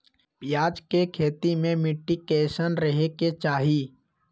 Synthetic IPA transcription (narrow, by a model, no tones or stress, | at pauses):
pjaːd͡ʒkekʰeːt̪imẽmɪʈːikeːʃənɾəɦeket͡ʃaːɦi